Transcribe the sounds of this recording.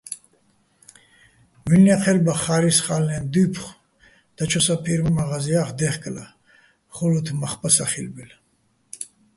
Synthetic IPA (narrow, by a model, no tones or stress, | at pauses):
milnaqʰɛlbaχaɾisχalnɛnd̪upʰχ | d̪̥at͡ʃʰɔsapʰiɾmamaʁaziaχd̪ɛχkʼla̰ | χɔlɔt̪ʰmaχpʰʼasaχḭlbɛl